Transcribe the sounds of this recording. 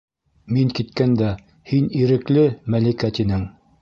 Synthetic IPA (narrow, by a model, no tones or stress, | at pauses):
miŋkit̪kænd̪æ | hiniɾɘ̆klɘmælikæt̪inɘŋ